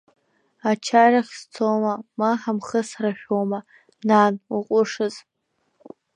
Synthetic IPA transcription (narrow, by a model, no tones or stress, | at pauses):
at͡ʃʰaraχʲst͡sʰomamaħamχəsraʃᶣoma | nanuqʷʼʊʂɨz